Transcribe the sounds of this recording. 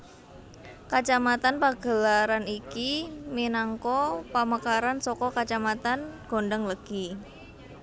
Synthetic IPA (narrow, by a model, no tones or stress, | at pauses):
kat͡ʃamat̪anpaɡ̥ə̤laɾanikiminaŋkɔpaməkaɾansɔkɔkat͡ʃamat̪anɡ̥o̤nɖəŋləɡ̥i